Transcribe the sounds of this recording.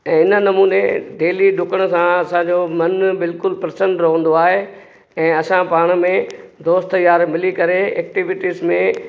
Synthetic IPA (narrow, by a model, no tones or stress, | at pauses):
ɛ̃ːɪnə̆nɐmuːnḛd̪eːliɗʊkəɽ̃̆sãɐsãɲd͡ʑomɐnbɪlkʊlpɾɐsə̃ɳɖɾɐɦə̃n̆d̪oaːɦe | ɛ̃ːɐsãpaːɽ̃̆mẽd̪oːst̪əjaːɾmɪlikɐɾeeːk̚ʈiʋɪʈizmẽ